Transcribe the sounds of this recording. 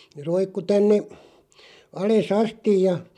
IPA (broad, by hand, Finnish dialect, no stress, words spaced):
ne roikːu tænːe ɑles ɑstij jɑ